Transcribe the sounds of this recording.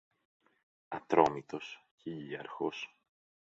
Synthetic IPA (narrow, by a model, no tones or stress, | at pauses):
ɐt̪ɾo̞mit̪o̞scʰeʎiɐɾxos